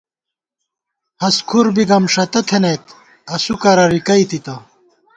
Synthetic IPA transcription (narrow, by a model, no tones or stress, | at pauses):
hɐskʰuɾbiɡɐmʂɐt̪ɐt̪ʰenet̪ | ɐsukɐɾɐɾikɐit̪it̪ɐ